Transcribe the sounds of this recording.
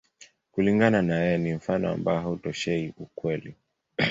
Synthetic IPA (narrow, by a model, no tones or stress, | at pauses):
kuliŋɡananajɛjɛnim̩fanɔa̰mbaɔɦautɔʃɛiʔukwɛli